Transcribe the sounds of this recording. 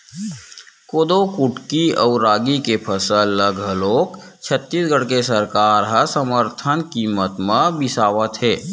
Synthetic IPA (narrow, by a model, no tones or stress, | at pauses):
koːd̪okʊʈkiəːɾaːɡikepʰəsəlːəɡʱɦəloːk | t͡ʃʰət̪ːiːsɡəɽkesəɾkaːɾɦəsəməɾt̪ʰənkiːmət̪mãbɪsaːʋət̪ɦɛː